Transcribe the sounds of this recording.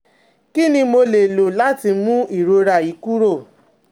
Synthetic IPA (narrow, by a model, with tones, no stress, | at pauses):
ki˦nĩ˧mo˧le˨lo˨la˦ti˧mũ˦i˦˨ɾo˨ɾa˦˨i˨˦ku˦ɾo˦˨